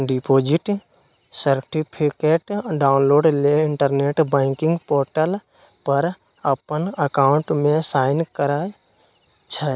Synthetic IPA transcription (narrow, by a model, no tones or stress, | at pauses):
ɖipoːd͡ʒɪʈ | səɾʈipʰikeːʈɖaːʊnloːɖleɪɳʈəɾneːʈbə̃ɪkɪ̃ŋɡpoːɾʈəl | pəɾ | əpənəkaːʊ̃ɳʈmẽsaːɪnkəɾaːe | t͡ʃʰə